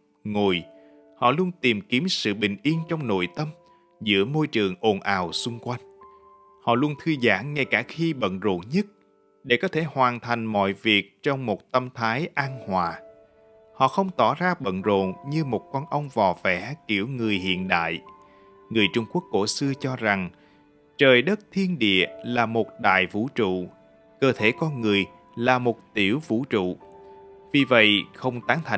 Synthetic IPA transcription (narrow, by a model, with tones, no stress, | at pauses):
ŋo˨˩j | hɔ̰˧˨lu˧ənt̪i˨˩mki˨˦əmsɨ̰˧˨ɓï˨˩ŋ̟ʔi˧ənt͡ɕɔ˧wŋ͡mno̰˧˨jt̪ə˧m | zɨ̰˧˥əmo˧jt͡ɕɨ˨˩əŋʔo˨˩nʔaː˨˩wsʊ˧ŋ͡mkwa˧jŋ̟ | hɔ̰˧˨lu˧ənt̪ʰɨ˧zaː˧˩ŋːa˧jkaː˧˩xi˧ɓə̰˧˨nzo̰˧˨nɲə˦˥t̚ | ɗe˧˩kɔ˨˦t̪ʰe˧˩hwaː˨˩nt̪ʰa˨˩jŋ̟mɔ̰˧˨jvi˨˩ək̚t͡ɕɔ˧wŋ͡mmo˨˩t̚t̪ə˧mt̪ʰaː˨˦jʔaː˧nhwaː˨˩ | hɔ̰˧˨xə˧wŋ͡mt̪ɔ˧˩zaː˧ɓə̰˧˨nzo̰˧˨nɲɨ˧mo˨˩t̚kɔ˧nʔə˧wŋ͡mvaː˨˩wvɛ̰˧˥ki˧˩əwŋɨ˨˩əjhḭ˧˨ənɗa̰ː˧˨j | ŋɨ˨˩əjt͡ɕʊ˧ŋ͡mku˦˥ək̚ːo˧˩sɨ˧ət͡ɕɔ˧za˨˩ŋ | t͡ɕəː˨˩jɗə˦˥t̚t̪ʰi˧ənɗḭ˧˨əlaː˨˩mo˨˩t̚ɗa̰ː˧˨jvṵ˧˥t͡ɕṵ˧˨ | kəː˧t̪ʰe˧˩kɔ˧nŋɨ˨˩əj | laː˨˩mo˨˩t̚t̪i˧˩əwvṵ˧˥t͡ɕṵ˧˨ | vi˨˩və̰˧˨jxə˧wŋ͡mt̪aː˨˦ŋt̪ʰa˨˩˨